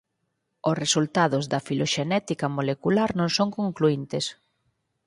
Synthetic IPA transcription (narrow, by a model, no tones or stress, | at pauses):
ʊsresult̪aðʊzðɐfiloʃenɛt̪ikɐmolekulaɾnõŋsoŋkoŋkluint̪ɪs